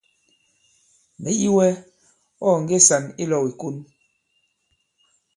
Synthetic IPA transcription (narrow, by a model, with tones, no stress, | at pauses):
mɛ˨˦i˦wɛ˦ | ɔ˦˨ŋ̩˨ɡe˦˨sa˨ni˦lɔ˨wi˨ku˦n